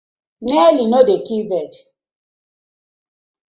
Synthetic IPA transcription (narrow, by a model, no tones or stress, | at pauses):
nelinodekibɛd